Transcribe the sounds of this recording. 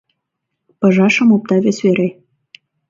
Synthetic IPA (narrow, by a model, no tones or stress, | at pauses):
pɤ̆ʒɑʃə̆mop̚t̪ɑβesβeɾe